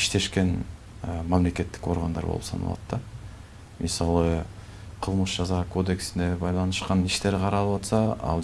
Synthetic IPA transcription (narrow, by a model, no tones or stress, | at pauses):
ɪʃt̪e̞ʃkʲe̞n | memle̞kʲe̞t̪ːɪ̥kwo̞ɾʁɑnd̪ɑ̰ɾbo̰lˠə̰psɑ̰nɑ̰lˠɑ̰d̪d̪ɑ | məsɑlˠə | qʰəlˠməʃʒɑzɑkʰo̞d̪e̞ksɪnd̪e̞bɑjlˠɑnəsqɑnɪʃt̪e̞ɾqʰɑɾɑlˠəpwɑt̪sɑɑ̰lˠ